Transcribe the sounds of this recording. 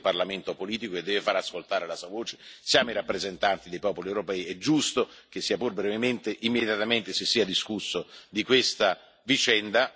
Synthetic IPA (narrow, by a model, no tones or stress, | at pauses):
parlament̪opoliːt̪ikoed̪ːɛːvefaɾaskolt̪aːɾelasuavoːt͡ʃe̥sjaːmoiɾapːɾezent̪ant̪id̪ejpɔːpoliewɾopɛːiɛd͡ʒːust̪ok̟esːiːapurbɾɛvement̪eʔimːed̪jat̪ament̪esesːiːad̪iskusːod̪ikwest̪a | vit͡ʃɛnd̪a